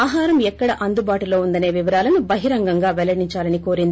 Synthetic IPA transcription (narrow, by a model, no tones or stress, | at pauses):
aːɦaːɾɐmɛkːɐɽɐʔɐnd̪ubaːʈuloːund̪ɐneːʋiʋɐɾaːlɐnubɐɦiɾɐŋɡɐŋɡaːʋɛlɐɽiɲt͡ʃaːlɐniko̞ːɾind̪i